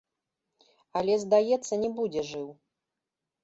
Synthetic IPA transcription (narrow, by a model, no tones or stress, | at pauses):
ɐlʲɛzd̪ajɛt̪sːɐnʲɛbud͡zʲɛʐɨw